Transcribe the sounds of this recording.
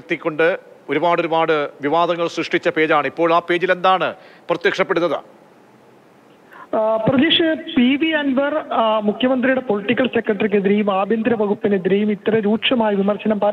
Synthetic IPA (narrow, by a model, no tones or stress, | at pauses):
t̪ːikʲːo̞ɳɖɨ | o̞ɾubaːɽo̞ɾubaːɽɨʋiʋaːd̪ɐŋːɐɭsrɨʂʈit͡ɕːɐpe̞ːd͡ʑaːɳipːo̞ːɭaːpːe̞ːd͡ʑile̞nd̪aːɳɨprɐt̪jɐkʂɐpːeɽunːɐðɨ̰ | prɐd̪eʂɨpiʋiɐnʋɐrmukʰjɐmɐnd̪rijuɽe̞po̞liʈːikːɐlse̞krɐʈːɐrik̬ːeðiɾejumaːbʱjɐnd̪ɾɐʋɐɣupːine̞ðiɾejumit̪ːrɐɾuːʈʂɐmaːjɐʋimɐrɕɐnɐmpɐ